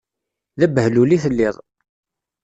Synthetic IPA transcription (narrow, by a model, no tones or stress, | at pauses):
ðæbhluliθəlːɪðˤ